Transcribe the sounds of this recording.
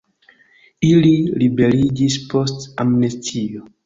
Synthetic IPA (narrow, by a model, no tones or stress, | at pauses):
ililibe̞ɾid͡ʒispo̞stamnestʰio